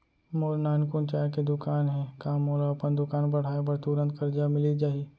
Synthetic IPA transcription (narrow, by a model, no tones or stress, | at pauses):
moːɾnaːnkʊnt͡ʃaːɾked̪ʊkaːnɦɛ̃kaːmoːloɐpənd̪ʊkaːnbɐɽ̤aːebɐɾt̪uɾə̃nt̪kɐɾd͡ʒamɪlid͡ʒaːi